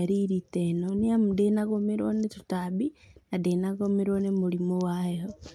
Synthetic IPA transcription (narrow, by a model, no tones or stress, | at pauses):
aɾiɾitenoniamudenaɣomiɾonetu̥tabinadenaɣomeɾonemulimowaho